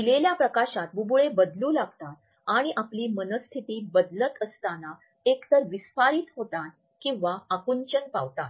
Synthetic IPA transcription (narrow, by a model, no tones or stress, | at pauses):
ileljapɾəkaɕat̪bubuɭebəd̪luːlaɡt̪at̪̚ | aɽ̃iʔapliːmənəst̪ʰit̪iːbəd̪lət̪əst̪ana | ekt̪əɾʋisfaɾiːt̪ɦot̪an | kĩw̃ʋaakunt͡ɕənpaʋt̪at̪